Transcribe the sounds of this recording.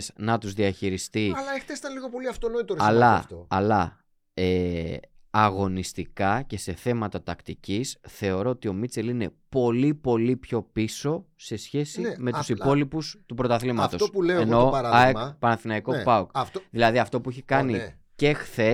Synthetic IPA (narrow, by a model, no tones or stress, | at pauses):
snɐt̪uzðiɐçiɾist̪iɐlɐexθesi̥t̪ɐnliɣo̞po̞liɐft̪ono̞it̪oɾɐlɐft̪oɐlɐ | e | ɐɣo̞nist̪ikɐce̞se̞θe̞mɐt̪ɐt̪ɐkt̪icisθe̞o̞ɾo̞ot̪io̞mit͡se̞line̞po̞lipo̞lipço̞piso̞se̞sçe̞sime̞t̪u̥sipo̞lipust̪upɾo̞t̪ɐθlimɐft̪o̞opuleoenoɐɾɐðepɐnɐθinɐiko̞pɐukfðilɐðiɐft̪o̞pueçikɐni | ce̞xθe̞